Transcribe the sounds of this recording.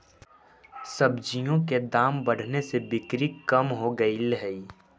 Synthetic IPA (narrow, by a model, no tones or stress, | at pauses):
sɐbd͡ʒijõked̪aːmbɐɽ̤nesebɪkɾikkɐmɦoɡəilɦɛi